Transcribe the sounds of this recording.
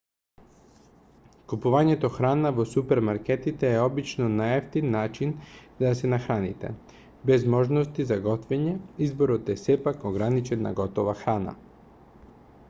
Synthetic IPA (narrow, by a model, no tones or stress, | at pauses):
kupuvaɲɛt̪oxɾanavosupɛɾmaɾkɛt̪it̪ɛːɔbit͡ʃnɔnaɛft̪inːat͡ʃinzaasɛnaxɾanḭt̪ɛ̰ | bɛzmɔʒnost̪izaɡɔt̪vɛɲɛizboɾot̪ɛsɛpakoɡɾanit͡ʃɛnːa̰ɡɔt̪ovaxɾana̰